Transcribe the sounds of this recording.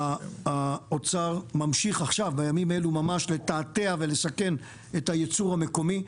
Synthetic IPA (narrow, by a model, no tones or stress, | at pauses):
aaot͡saʁmamʃiχaχʃavbajamimae̞lumamaʃle̞taːte̞ave̞le̞sake̞n | ethajet͡suʁame̞ko̞mi